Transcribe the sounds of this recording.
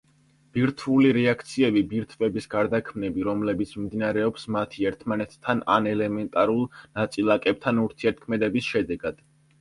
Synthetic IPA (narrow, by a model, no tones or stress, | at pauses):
b̥iɾt̪ʰvuliɾɛakʰt̪sʰiɛbibiɾt̪ʰvɛbisɡaɾd̪akʰmnɛbiɾɔmlɛbit̪sʰmimd̪inaɾɛɔpsmat̪ʰiɛɾt̪ʰmanɛt̪ʰːananɛlɛmɛnt̪ʼaɾulˠnat̪sʼilˠakʼɛp̚t̪ʰanuɾt̪ʰiɛɾt̪̚kʰmɛd̪ɛbisʃɛd̪ɛɡad̪̥